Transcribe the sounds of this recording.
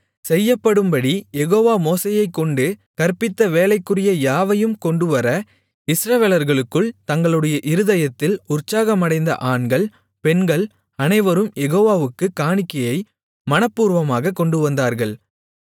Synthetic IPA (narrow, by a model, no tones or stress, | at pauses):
sɛjːɐpːɐɽɯmbɐɽijɛɣoːʋaːmoːsejɐɪkːɔɳɖɯkɐɾpɪt̪ːɐʋeːlɐɪkːɯrɪjɐjaːʋɐjɯmkɔɳɖɯʋɐɾɐ | ɪsɾɐʋeːlɐɾɣɐɭɯkːɯɭt̪ɐŋɡɐɭɯɽɐjɐʔɪɾɯðɐjɐt̪ːɪlʊrt͡ʃːaːɣɐmɐɽɐɪnd̪ɐ̰ʔaːɳɡɐɭ | pɛnɡɐɭ | ɐnɐɪʋɐɾɯmjɛɣoːʋaːʋɯkːɯkːaːɳɪkːɐjɐɪ | mɐnɐpːuːɾʋɐmaːɣɐkːɔɳɖɯʋɐnd̪aːɾɣɐɭ